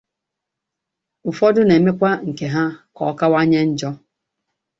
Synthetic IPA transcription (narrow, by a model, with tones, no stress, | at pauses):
ʊ˨fɔ˦dʊ˦ne˨me˦kʷa˦ŋ̩˨ke˨ɦa˦kɔ˨˦ka˦wa˦ɲe˦n̩˦d͡ʒɔ˦